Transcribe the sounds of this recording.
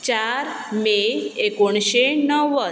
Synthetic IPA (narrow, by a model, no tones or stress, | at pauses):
t͡ɕaɾ | meekoɳɕenəʋə